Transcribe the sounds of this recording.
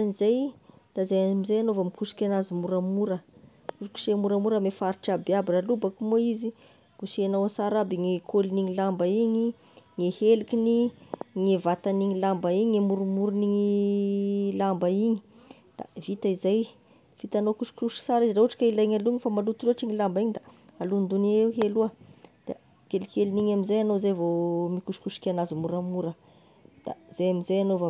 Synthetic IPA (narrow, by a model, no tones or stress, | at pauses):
anizajd̪̥azajamizajanovamikusi̥kʲanazimuɾamuɾə | kusu̥ku̥ʃemuɾamuɾəmefaɾiʈ͡ʂabiabiralubakumoizi̥ | usanawasaɾabiŋekʰoliniŋilambaiɲi | ŋehelikʲiniŋevat̪aniŋilambaiɲiŋemuɾumuɾuniŋi | lambəiɲi̥ | d̪̥a̰vit̪aizaj | fit̪anokuʃi̥kuʃi̥saɾizirauuʈ͡ʂḁkailaiɲaluiŋifamalut̪iloʈ͡ʂiŋilambaiɲid̪aalund̪uneewɦeluəd̪̥a̰ | kelkʲeliniɲaminzajanozajvomikuʃkuʃi̥kʲanazimuɾamuɾə | d̪̥a̰z̥ajaminzajanova